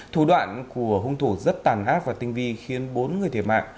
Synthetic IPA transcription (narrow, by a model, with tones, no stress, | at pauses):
t̪ʰu˧˩ɗwa̰ː˧˨nku˧˩əɦʊ˧ŋ͡mt̪ʰu˧˩zə˦˥t̚t̪aː˨˩nʔaː˦˥p̚vaː˨˩t̪ï˧ŋ̟vi˧xi˨˧ənɓo˨˦nŋɨ˨˩əjt̪ʰe˧˩ma̰ː˧˨ŋ